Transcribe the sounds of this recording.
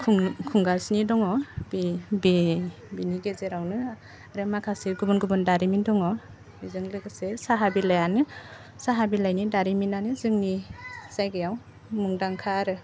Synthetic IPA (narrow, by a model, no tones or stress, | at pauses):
kʰkʰuŋɡasnidɔŋɔbibi | biniɡezeɾawnɯ | ɾemakʰasiɾɡubɯnɡubɯndaɾimindɔŋɔ | bizɯŋlɯɡɯsesaɦabilajanɯ | saɦabilajnidaɾiminanɯzɯŋnizajɡɯjaw | muŋdaŋkʰaɾɯ